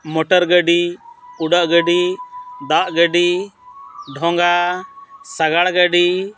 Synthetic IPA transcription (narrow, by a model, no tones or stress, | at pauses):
mɔʈɔɾɡəɖiuɖaʔɡəɖid̪aʔɡəɖi | ɖʱɔŋɡa | saɡaɽɡəɖi